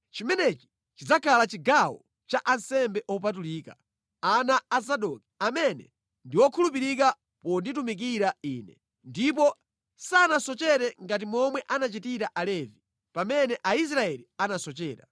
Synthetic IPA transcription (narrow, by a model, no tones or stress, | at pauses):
t͡ʃimɛnɛt͡ʃi̥ | t͡ʃid͡zakʰalat͡ʃiɡawɔ | t͡ʃaʔansɛmbɛʔɔp̬at̬uliːka̰ | anaːs̬aɗɔki̥amɛnɛ̰ | ndiwɔkʰulupiɾik̬a | pɔnditumik̬iɾaiːnɛ | ndip̬ɔ | sanasɔt͡ʃɛɾɛŋɡat̬imɔmwɛʔanat͡ʃitiɾaʔalɛvi | pamɛnɛʔais̬ɾaɛlianasɔt͡ʃɛːɾa̰